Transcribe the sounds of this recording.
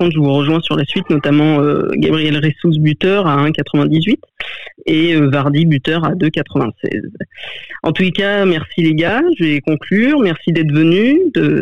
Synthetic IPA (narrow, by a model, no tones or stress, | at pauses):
kɔ̃t̪ʒəvuʁəʒwɛ̃syʁlasɥit̪nɔt̪amɑ̃ø̰ɡa̰bʁijɛlʁesus̬byt̪œʁaɛ̃kat̪χəvɛ̃d̪izɥit̪eøvaʁd̪ibyt̪œʁad̪økat̪χəvɛ̃sɛ̰z | ɑ̃t̪ulekamɛʁsileɡaʒəvekɔ̃klyːʁmɛʁsid̪ɛt̪vənyd̪ə